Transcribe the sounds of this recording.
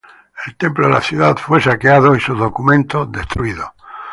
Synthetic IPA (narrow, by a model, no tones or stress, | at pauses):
e̞lt̪e̞mploðela̰θjuðaðfwesakeaðoisuðokumẽnt̪oðest̪ɾuiðo